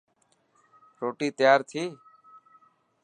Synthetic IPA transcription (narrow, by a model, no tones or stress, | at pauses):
ɾoːʈiːt̪əjaːɾt̪ʰiː